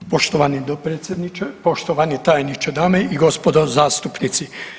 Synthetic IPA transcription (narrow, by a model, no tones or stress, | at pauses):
poʃt̪oʋanid̪opɾeːt̪sʲjed̪nit͡ʃepoʃt̪oʋanit̪aːjnit͡ʃed̪aːmeiɡospod̪ozaːst̪upnit̪si